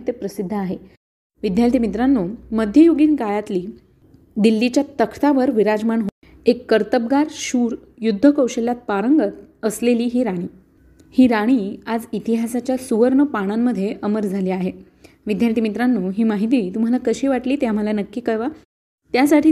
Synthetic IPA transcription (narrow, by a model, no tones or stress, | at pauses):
t̪epɾəsid̪ʱːəaɦe | ʋid̪ʱjalt̪imit̪ɾanːuːməd̪ʱjəjoɡiːnkajat̪liː | d̪ilːit͡ɕjat̪əkʰt̪aʋəɾʋiɾad͡zmaɳɦo | ekːəɾt̪əb̚ɡaɾɕuːɾ | jud̪ʱːəkəwɕəljat̪̚paɾəŋɡət̪əsleliːɦiːɾaɽ̃iː | hiːɾaɽ̃iːad͡zit̪iɦasat͡ɕjasuʋəɾɳəpaɽ̃amːəd̪ʱːjeʔəməɾd͡zʱaliːaɦe | ʋid̪ʱjalt̪imit̪ɾanːuːɦiːmaɦit̪̬iːt̪um̤alakəɕiːʋaʈliːt̪eam̤əlanəkːiːkəɭʋa | t̪jasaʈʰiː